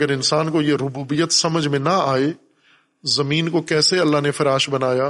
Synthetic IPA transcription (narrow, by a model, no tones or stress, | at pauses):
əɾɪnsaːnkojeɾʊbuːbijət̪sɐməd͡ʒʱmẽnɐaːe | zɐmĩːnkokɛːseɐlːaɦnefɐɾaːʃbɐnaːjaː